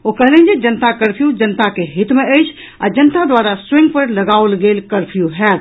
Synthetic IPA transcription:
okəɦlɛ̃d͡ʒed͡ʒənt̪akəɾpʰjud͡ʒənt̪akeɦit̪meəjt͡ʃʰ | a̰d͡ʒənt̪ad̪waɾaswẽŋɡ̚pəɾləɡalɡelkəɾpʰjuɦɛt̪

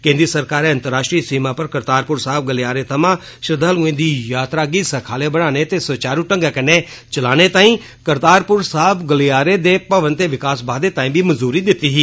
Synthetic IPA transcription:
kẽːnd̪ɾisəɾkaːɾeːə̃nt̪əɾaːʃʈɾiːsiːmaːpəɾkəɾt̪aːɾpʊɾsaːb̚ɡəlejaːɾeːt̪ʰəmãː | ʃɪɾɪd̪ʱaːluẽːd̪iːjaːt̪ɾaːɡiːsəkʰaːleːbəɽ̃aːneːt̪eːsəːt͡ʃaːɾuːʈəŋɡaːkəneː | t͡ʃəlaːneːt̪ãːĩː | kəɾt̪aːɾpʊɾsaɦəbɡəliaːɾeːd̪eːpəʋənt̪eːʋɪkaːsbaːd̪eːt̪aːĩːbiːməzuːɾiːd̪ɪt̪ːiːɦiː

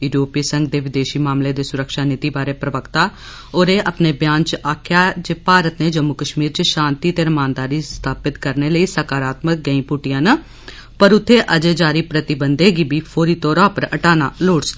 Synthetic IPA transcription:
ɪʈjoːpiːsəŋɡ̚d̪eːʋɪd̪eːʃiːmaːmleːd̪eːsʊɾəkʃaːnɪt̪iːbaːɾeːpɾəʋəkt̪aː | oːɾeːʔəpneːbjãːnt͡ʃaːkʰjaːd͡ʒeːpaːɾət̪neːd͡ʒəmːʊkəʃmiːɾt͡ʃʃãːnt̪iːt̪eːɾəmãːnd̪aːɾiːst̪ʰaːpɪt̪kəɾneːləiːsəkaːɾaːt̪mək̚ɡəĩːpʊʈɪjãːnə | pəɾʊt̪ʰːeːʔəd͡ʒeːd͡ʒaːɾiːpɾət̪ɪbənd̪eːɡiːbiːpʰoːɾiːt̪ɔːɾãːpəɾə̰ʈaːnaːloːɽt͡ʃt̪a

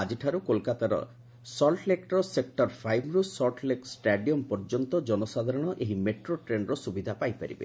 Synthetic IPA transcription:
ad͡ʒiʈʰaɾukolkat̪aɾɔ̰ | sɔlʈlekʈɾɔsek̚ʈɔɾpʰajmɾusɔɾʈleksʈaɖiɔmpɔɾd͡ʒɔnt̪ɔd͡ʒɔnɔsad̪ʱaɾɔɽ̃ɔʔeɦimeʈɾoʈɾenɾɔsubid̪ʱapajpaɾḭbḛ

